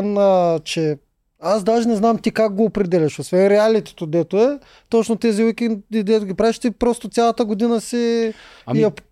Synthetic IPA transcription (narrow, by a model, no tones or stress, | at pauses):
nət͡ʃɛ | azd̪aʒinɛznamt̪ikak̚ɡoːpɾɛd̪ɛlʲiʃosvɛnɾɛalit̪ɛ̥t̪od̪ɛt̪oɛ | t̪ot͡ʃnot̪ɛziwikʲinid̪ɛt̪ʊɡʲipɾavɛʃt̪ipɾɔst̪ot̪sʲjalˠɐt̪əɡod̪inəsi | ɛp